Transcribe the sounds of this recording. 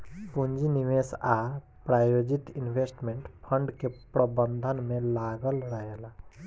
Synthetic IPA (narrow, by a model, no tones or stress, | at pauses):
puɲd͡ʒiniʋesa | pɾaːjod͡ʒit̪inbʱesʈmẽɳʈpʰəɳɖkepɾəbə̃nd̪ʱənmẽlaɡəlɾəɦela